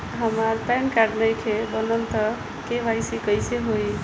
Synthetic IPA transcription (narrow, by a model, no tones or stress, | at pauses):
ɦəmaɾpɛnkaɖnəjkʰebənənt̪ə | kebajsikəjseɦoj